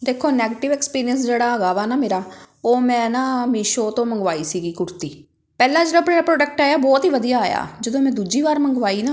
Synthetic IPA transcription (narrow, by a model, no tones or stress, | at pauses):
d̪eːkʰoːnɛːɡeːʈɪʋɛːkspiːɾɪjənsd͡ʒeːɽaːəɡaːʋaːnaːmeːɾaː | oːmɛ̃ːnãːmiːʃoːt̪õːməŋɡʋaːiːsiːɡiːkʊɾt̪iː | pɛːlãːd͡ʒeːɽãːpɳeːɾaːpɾoːʈək̚ʈaːjaːbɔːt̪ɦiːʋəd̪ijaːaːja̰ːd͡ʒəd̪õːmɛ̃ːd̪uːd͡ʒiːβaːɾməŋɡʋaːiːnaː